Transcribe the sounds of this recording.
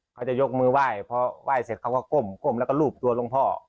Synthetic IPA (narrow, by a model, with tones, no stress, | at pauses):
kʰa˧˩wt͡ɕa˧˩jo˧k̚mɯː˧waː˧˩˨jpʰɔ˧wʔaː˧˩jse˨˦kʰa˧˩wka˧˩ko˧˩mko˧˩mlɛː˧˩wka˧˨luː˧˩p̚t̪u˧ɐ˧lo˧ŋpʰɔː˧˩